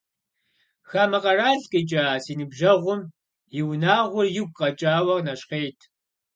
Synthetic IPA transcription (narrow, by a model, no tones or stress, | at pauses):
xaːmɐqɐraːɬkʼet͡ʃʼaːsiːnɨbʒɐʁʷʊm | jɪwnaːʁʷʊrjɪɡʷqʼɐt͡ʃʼaːwɐnɐɕqeːtʰ